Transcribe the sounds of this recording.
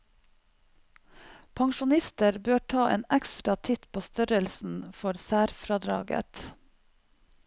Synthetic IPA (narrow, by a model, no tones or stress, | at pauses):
pʰɑŋʃʊnɪst̪əɾbøːʈʰɑːʔḛːnækst̪ɾɑt̪ʰɪt̪pʰoːst̪œɾəlsn̩fɔɾsæːɾfɾɑd̪ɾɑ̰ːɡə̰t̪